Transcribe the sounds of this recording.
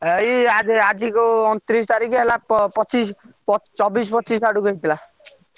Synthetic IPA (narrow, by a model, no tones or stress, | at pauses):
ejad͡zead͡zikot̪ɾis̬t̪aɾikeɦelappʌt͡ʃispt͡sʌbis̬pʌt͡ʃisaɽukoɦit̪la